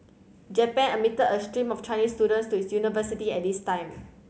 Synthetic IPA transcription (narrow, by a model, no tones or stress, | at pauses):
d͡ʒɛpɛ̃nəmitəəstɹĩmɔft͡ʃʰãɪnistuɾə̃ntstuitsjunivəsitiɛt̚distãɪ̃m